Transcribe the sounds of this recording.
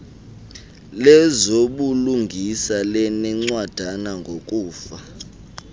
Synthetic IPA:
lɛzoɓuluŋɡʱisalɛnɛŋ͡ǀwad̥ʱanaŋɡʱok̬ʼuːfa

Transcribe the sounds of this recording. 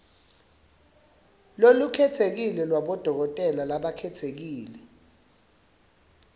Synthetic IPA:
lolukʰɛtʰek̬ilɛlwaɓɔd̥ʱɔk̬ɔtʼɛlalaɓakʰɛtʰek̬iːlɛ

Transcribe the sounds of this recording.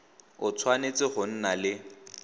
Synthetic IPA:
ʊt͡sʰwanet͡sʼɪχʊn̩nalɪ

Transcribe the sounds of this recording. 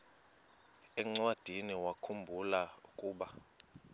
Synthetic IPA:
ɛŋ͡ǀwad̥ʱiniwakʰumbʱulaukʼuːɓa

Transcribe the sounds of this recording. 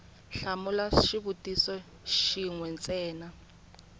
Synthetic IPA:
ɬamulaʃiβutʼisɔ | ʃiŋwɛnt͡sɛːna

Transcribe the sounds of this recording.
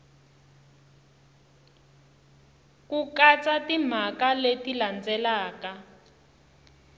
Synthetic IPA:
kukat͡satim̤akaletiland͡zɛlaːka

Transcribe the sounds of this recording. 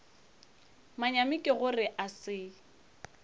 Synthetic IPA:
maɲamɪkʼɪɣʊrɪʔasɪ

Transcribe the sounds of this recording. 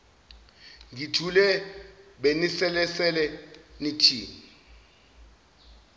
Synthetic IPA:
ŋɡitʰulɛ | ɓenisɛlɛsɛlɛnitʰiːmi

